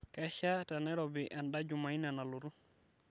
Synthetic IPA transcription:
ka˦ʃa˦ta˨nɛ˦ɾo˨bi˨ʔa˨nɗa˦d͡ʒu˨ma˨i˦na˨na˨lu˨ɾu˦

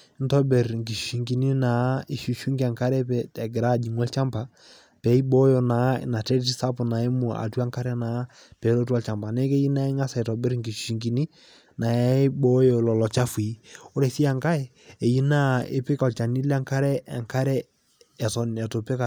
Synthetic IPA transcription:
n˦tɔ˦bɛ˨ɾŋki˨ʃi̥˨ʃi˨ŋki˨ni˦na˨˦ɪ˦˨ʃu˨ʃu˦ŋka˨ŋka˦ɾɛ˦pɛ˨tɛ˨ɡɪ˨ɾa˦˨d͡ʒi˨ŋ˦ɔ˦lt͡ʃa˦mpa˨ | pɛ˨˦i˦bɔ˦jo˨na̰˨˦˨na˨tɛ˦ɾti˦sa˦pʊ˨na˨ɛ˦mu˨a̰˨tu˦a˦ŋka˦ɾɛ˦na˨˦ | pɛ˨˦lo˦tu˦a˦lt͡ʃa˨mpa˨nɛ˦kɛ˦ji˦na˦ɪ˦ŋa˦sa˨i˨tɔ˨bɛ˦ɾŋɡi˨ʃu̥˨ʃi˨ŋki˨ni˦ | na˨ja˦bɔ˦jo˨lɔ˨lɔ˨t͡ʃa˦fu˨i˦ʊ˦ɾɛ˨si˦a˨ŋka˦ɛ˨ | e˨ji˦na˦ɪ̰˦pɪ˦kɔ˨lt͡ʃa˨ni˦la˦ŋka˦ɾɛ˦ɛ̰˨ŋka˦ɾɛ˦ | ɛ˨tɔ˨nɛ˨to˨pɛ˦ka˨

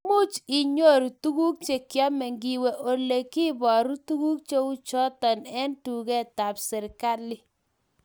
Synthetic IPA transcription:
mu˦t͡ʃi˨ɲo˦ɾu˨tu˦ku˦k̚t͡ʃe˨kjɔ˦mɛ˨ŋɡi˨we˨ʔo˨le˨ki˦bɔ˨ɾu˦tu˦ku˦k̚t͡ʃe˦u˦t͡ʃɔ˦tɔ˨nɛ˦ntu˨kɛ˦ta˨psɛ˨ɾka˦li˦

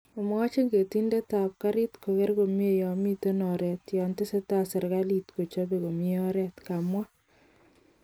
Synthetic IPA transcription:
o˨m˦a˦t͡ʃe˦ŋɡe˨ti˦ndɛ˦ta˨p̚ka˦ɾi˦tko˨kɛ˦ɾko˨mje˨jɔ˨mi˦to˦nɔ˨ɾɛ˨tjɔ˨ntɪ˦sɛ˦ta˦sɛ˨ɾɡa˦li˨tko˨t͡ʃo˦be˨ko˨mi˦ɔ˦ɾɛtka˨mwa˦

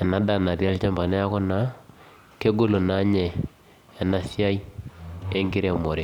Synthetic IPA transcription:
ɛ˨na˨da˦˨na˨ɾja˦lt͡ʃa˦mba˨nɛ˦a˦kɔ˦na˨˦ | ke˦ɡo˦lo˨na˨˦ɲɛ˨ | ɛ˨na˨si˦a˦i˦ | e˦ŋɡɪ˦ɾe˦˨mo˨ɾe˨˦

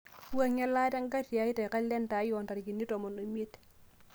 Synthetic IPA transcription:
u˦a˦ŋa˦lːa˦ta˦ŋɡa˦ti˨a˨˦i˦te˨ka˦lːe˦nta˨˦jɔ˨nta˨ɾi˨ki˨nːi˦to˨mo˨no˨me˦t

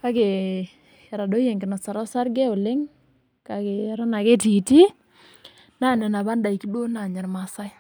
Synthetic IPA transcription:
ka˦ɡe˨ | ɛ˨ɾa˨do˦je˨ŋɡɪ˨nɔ˨sa˨ɾɔ˦sa˦ɾɡɛ˦ʊ˨lɪ˦ŋ | ka˦ɡe˨˦ɾɔ˦na˨ke˦ti˨ti˦ | na˦˨nɛ˨na˨βa˦nda˨i˨ki˦do˦na˨ɲa˨ɾma˨sa˦j

